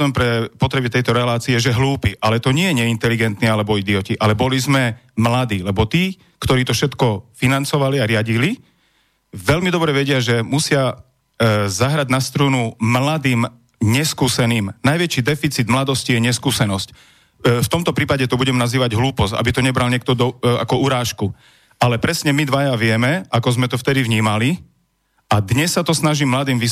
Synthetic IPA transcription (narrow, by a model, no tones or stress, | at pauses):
ɛmpɾɛpɔt̪ɾɛbit̪ɛjt̪ɔɾɛlaːt͡siɛʒɛɦluːpiʔalɛt̪ɔɲɪɛjɛɲɛint̪ɛliɡɛnt̪niːalɛbɔid̪iɔciʔalɛbɔlizmɛ | mlad̪iːlɛbɔt̪iː | kt̪ɔɾiːt̪ɔfʃɛt̪kɔfinant͡sɔʋaliaɾɪaɟili | ʋɛʎmid̪ɔbɾɛʋɛɟɪaʒɛmusɪa | zaɦɾaɟnast̪ɾuːnumlad̪iːm | ɲɛskuːsɛniːmnajʋɛt͡ʃiːd̪ɛfit͡siːd̪mlad̪ɔscijɛɲɛskuːsɛnɔsc | ft̪ɔmt̪ɔpɾiːpaɟɛt̪ɔbuɟɛmnaziːʋaɟɦluːpɔsa̰bit̪ɔɲɛbɾalɲɪɛk̚t̪ɔd̪ɔa̰kɔuɾaːʃku | ʔalɛpɾɛsɲɛmid̪ʋajaʋɪɛmɛakɔzmɛt̪ɔft̪ɛd̪iʋɲiːmali | ʔad̪ɲɛsːat̪ɔsnaʒiːmːlad̪iːmʋi